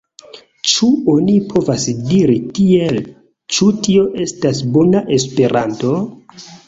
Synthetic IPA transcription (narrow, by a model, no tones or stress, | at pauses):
t͡ʃuo̞nipʰo̞vasdiɾitiel | t͡ʃutio̞ʔe̞stasbo̞naʔe̞spe̞ɾʔanto̞